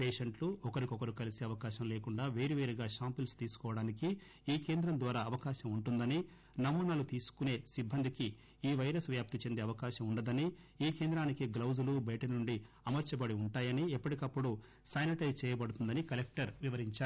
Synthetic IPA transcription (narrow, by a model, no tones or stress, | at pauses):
peːʃɐɳʈluɔkɐɾikɔkɐɾikɐlisiɐʋɐkaːʃɐmleːkuɳɖaːʋeːɾiʋeːɾiɡaːʃaːmpilst̪iːsu̥kɔːʋɐɽaːniki | iːke̞ːnd̪ɾɐmd̪ʋaːɾaːɐʋɐkaːʃɐmuɳʈund̪ɐni | nɐmːuːnaːlut̪iːsu̥kune̞ːsibʱːɐnd̪iki | iːʋɐjɾɐsʋjaːp̚t̪it͡ʃe̞nd̪eːɐʋɐkaːʃɐmuɳɖɐd̪ɐni | iːkeːnd̪ɾaːnikiɡlɐwzɐlubɐjʈɐnuɳɖi | ɐmɐɾt͡ʃɐbɐɽiuɳʈaːjɐniɛpːɐʈikɐpːuɽu | sɐjniʈɐjzt͡ʃɛːjɐbɐɽut̪und̪ɐnikɐlek̚ʈɐɾʋiʋɐɾiɲt͡ʃaːɾu